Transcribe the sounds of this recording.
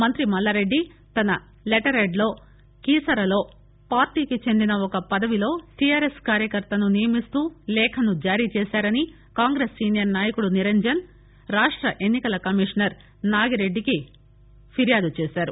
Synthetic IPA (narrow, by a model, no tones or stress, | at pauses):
mɐnt̪ɾimɐlːaːɾe̞ɖːi | t̪ɐnɐ | leʈɐɾeɖlo̞ː | kiːsɐɾɐlo̞ː | paːɾʈiːkit͡ʃe̞nd̪inɐɔkɐpɐd̪ɐʋilo̞ːʈijaːɾe̞skaːɾjɐkɐɾt̪ɐnunijɐmist̪uːlɛːkʰɐnud͡ʒaːɾiːt͡ʃɛːsaːɾɐni | kaːŋɡɾeːsːiːnijɐɾnaːjɐkuɽuniɾɐɲd͡ʒɐn | ɾaːʂʈɾɐʔenːikɐlɐkɐmiʂɐnɐɾ | naːɡiɾe̞ɖːiki | pʰiɾjaːd̪ut͡ʃeːsaːɾu